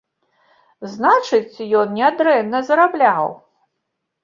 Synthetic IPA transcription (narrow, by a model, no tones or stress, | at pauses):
znat͡ʂɨt͡sʲjɔnnʲɛad̪ɾɛmnɐzɐɾablʲaw